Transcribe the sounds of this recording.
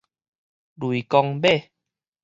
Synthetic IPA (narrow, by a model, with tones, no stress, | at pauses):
lu˨i˨kɔ˧ŋbe˥˨